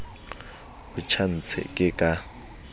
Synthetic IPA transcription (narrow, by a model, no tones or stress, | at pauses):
bʊt͡ʃʰan̩t͡sʰɛ̰kʼɪkʼa